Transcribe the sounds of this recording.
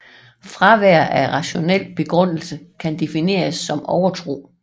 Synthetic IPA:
fʁɑ̈ʋæɐ̰æʁɑ̈ɕo̝nel̰b̥e̝ɡ̥ʁɔ̽n̰l̩səkʰænd̥e̝fine̝̰ːɐsːɒ̽mɒʊɐt͡sʰʁo̝̰ː

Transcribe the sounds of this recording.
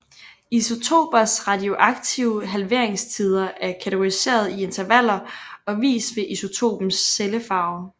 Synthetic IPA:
iso̝t͡sʰo̝̰ːb̥ɐsʁɑ̈d̥io̝ʔɑ̈ɡ̥̚t͡sʰiʊəɦælʋe̝ɐ̰e̝ŋst͡sʰið̞ˠɐʔæɐkʰæt͡sʰɪɡ̥o̝ʁise̝̰ːɐð̞ˠie̝nt͡sʰɐʋæl̰ɐɒ̽ʋḭːsʋe̝ʔiso̝t͡sʰo̝̰ːb̥m̩sːeləfɑ̈ʊ

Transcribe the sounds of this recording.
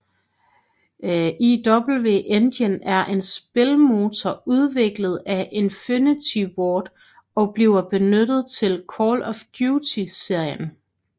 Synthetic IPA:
ʔid̥ɒb̥l̩ʋe̝̰ʔend̥jənæɐʔe̝nsb̥e̝lmo̝ːt͡sʰɒuð̞ˠʋe̝ɡ̥ləð̞̩ˠæʔe̝nfynit͡sʰiwɒːd̥ | ɒ̽b̥liʊɐb̥e̝nød̥ð̞̩ˠt͡sʰe̝lkʰɒːlɒ̽fd̥juːt͡sʰise̝ɐ̰jən

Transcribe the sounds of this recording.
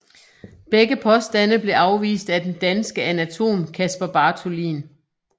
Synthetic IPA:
b̥eɡəpʰɒ̽sd̥æn̰əb̥le̝ʔɑ̈ʊʋḭːsd̥æd̥end̥ænsɡ̥əʔænæt͡sʰo̝̰ːmkʰæsb̥ɐb̥ɑ̈ːt͡sʰo̝lḭːn

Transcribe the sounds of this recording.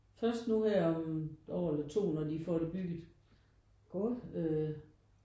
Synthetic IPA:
fɶɐsd̥nuhæɐ̰ɒ̽mɒ̰ːelɐt͡sʰo̝̰ːnɒd̥ifɒ̰d̥eb̥yɡ̥ð̩ˠ | ɡ̥oø

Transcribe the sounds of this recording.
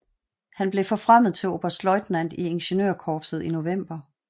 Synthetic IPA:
hænb̥le̝fɒ̽fʁam̰ð̞̩ˠt͡sʰe̝lob̥æɐsd̥lɒ̽ɪd̥næn̰d̥ie̝nɕenøɐkʰɒːb̥sð̞̩ˠino̝ʋem̰b̥ɐ

